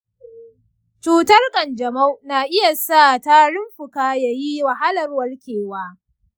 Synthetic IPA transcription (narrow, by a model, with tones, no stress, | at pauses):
t͡ʃuː˦tɐ˦rkʼɐ˨nd͡ʒɐ˨ma˦wnaː˨ʔɪ˦ja˨sa˦˨ta˦ɽɪ˦mɸʊ˨kaː˦ja˨ji˦wɐ˨ɦa˦lɐ˨rwɐ˦lkʲeː˨waː˦